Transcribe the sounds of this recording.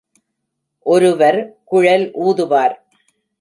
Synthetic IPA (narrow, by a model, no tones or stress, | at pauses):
ʔɔɾɯʋɐɾkʊɻɐlʔuːðɯʋaːɾ